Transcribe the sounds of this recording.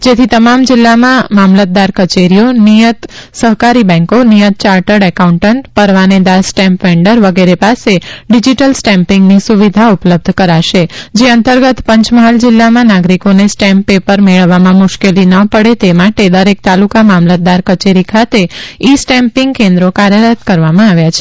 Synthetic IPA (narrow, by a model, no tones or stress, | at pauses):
d͡ʒet̪ʰit̪əmamd͡ʒɪlːamãmamlət̪̚d̪aɾkət͡ʃeɾijonijət̪səɦkaɾibɛ̃ŋkonijət̪̚t͡ʃaɾʈəɽɛkaũɳʈəɳʈpəɾʋaned̪asʈɛ̃mpʋẽɳɖəɾʋəɡeɾepaseɖid͡ʒiʈəlsʈɛ̃mpɪ̃ŋɡnisuʋid̪ʱaupləb̚d̪ʱkəɾaʃed͡ʒeənt̪əɾɡət̪pə̃ɲt͡ʃməɦald͡ʒɪlːamãnaɡɾikonesʈɛ̃mpːepəɾmeɭəʋːamãmʊʃkelinəpəɽet̪emaʈed̪əɾek̚t̪alukamamlət̪̚d̪aɾkət͡ʃeɾikʰat̪eisʈɛ̃mpɪŋɡkẽnd̪ɾokaɾjəɾət̪kəɾʋamãaʋjat͡ʃʰe